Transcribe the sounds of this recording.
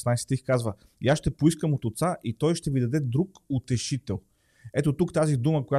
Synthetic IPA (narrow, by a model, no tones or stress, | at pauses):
snajsɛ̥ixkazvə | jasʃt̪ɛpoiskəmot̪ot̪saʔit̪ɔjʃt̪ɛvid̪ɐd̪ɛd̪ɾukot̪ɛʃit̪ɛlˠ | ɛt̪ot̪ukt̪azid̪uməkoja